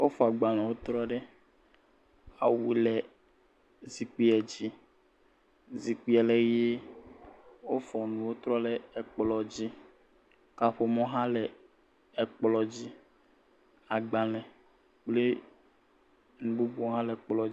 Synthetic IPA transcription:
wo˦fɔ˨a˨ɡ͡ba˨nã˨wo˦t̪ɾɔ˦ɖe˦ | a̰˨wi˨lɛ˨ | zi˨k͡pi˦ɛ˨d͡ʑi˦ | zi˨k͡pi˦ɛ˨le˦je˦ | wo˦fɔ˨nũ˨wo˦t̪ɾɔ˦le˨ɛ˨k͡plɔ˨d͡ʑi˦ | ka˨ɸo˦mɔ̃˦ɦã˦lɛ˨ | ɛ˨k͡plɔ˨d͡ʑi˦ | a˨ɡ͡ba˨lɛ̃˨ | k͡ple˦ | nũ˨bu˦bu˦o˦ɦã˦le˨k͡plɔ˨i˦

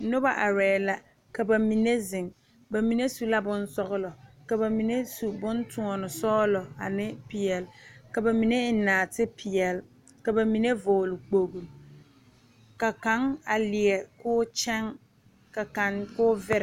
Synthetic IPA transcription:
nʊ˦ba˦ʔa˨ɾɛː˨la˨ | ka˨ba˨mi˨ne˦zɪ˨ŋ | ba˨mi˨ne˦su˦la˦bʊ˦nsɔ˦ɣʊ˦lɔ˨ | ka˨ba˨mi˨ne˦su˨bʊ˦ntu˨ɔ˨nʊ˨sɔː˦lɔ˨a˨nɪ˦pi˨ɛ˨lka˨ba˨mi˨ne˦ɪ˨naː˨tɪ˦pi˨ɛ˨l | ka˨ba˨mi˨ne˦vʊː˨lʊ˨k͡po˨ɡu˨l | ka˨ka˨˦ŋa˨li˨ɛ˨kʊː˦t͡ʃɛ˦ŋ | ka˨ka˨nkʊ˦vɪ˦ɾ

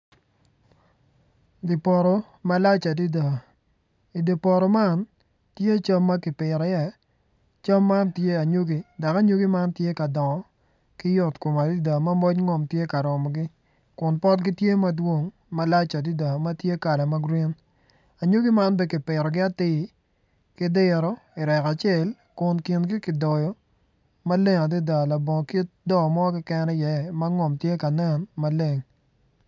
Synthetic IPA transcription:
di˨pɔ˨ɾɔ˨ | ma˦la˦t͡ʃa˨di˦da˨ | i˨di˨pɔ˨ɾɔ˨ma˦n | tje˦t͡ʃa˦mːa˦kɪ˨pɪ˨ɾɔ˨ɛ˨ | t͡ʃa˦mːa˦ntje˦a˨ɲo˦ɡi˦da˨ka˦ɲo˦ɡi˦ma˦ntje˦ka˨dɔ˨ŋɔ˨ | kɪ˦jɔ˨tko˨ma˨di˦da˨mɐ˦mɔ˦t͡ʃŋɔ˨mtje˦ka˨ɾɔ˨mɔ˨ɡɪ˦ | kʊ˨npɔ˦tɡɪ˦tje˦mɐ˦dwo˦ŋ | mɐ˦la˦t͡ʃa˨di˦da˨ma˦tje˦ka˨lɛ˨ma˦ɡɾi˦n | a˨ɲo˦ɡɪ˦ma˦nbɛ˦kɪ˨pɪ˨ɾɔ˨ɡɪ˦a˦tɪ˦ | kɪ˦dɪ˦ɾɔ˦ɪ˨ɾɛ˨ka˨t͡ʃɛ˦˨l | kʊ˨nki˨nɡɪ˦kɪ˨dɔ˨jɔ˨ | ma˦le˦ŋa˨di˦da˨la˨bɔ˨ŋ˨ki˦t̚dɔ˦˨mɔ˦kɪ˦kɛ˦nɛ˦jɛ˨˦ma˦ŋɔ˨mtje˦ka˨nɛ˦nma˦le˦˨ŋ

